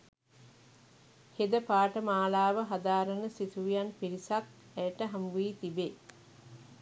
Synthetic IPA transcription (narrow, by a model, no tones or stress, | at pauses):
hed̪əpaːʈəmaːlaːʋəɦad̪aːɾənəsit̪uʋijanpiɾisak̪ | æjəʈəɦambuiːt̪ibe